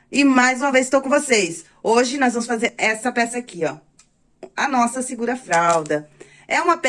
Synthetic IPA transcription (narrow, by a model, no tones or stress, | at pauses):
ɪmajzũmɐvezɪ̥st̪owkõvosejs | oʒɪnɔzvɐ̃mʊsfazeɾɛsɐpɛsɐakiɔ | ɐnɔsɐsiɡuɾɐfɾawd̪ɐ | ɛũmɐp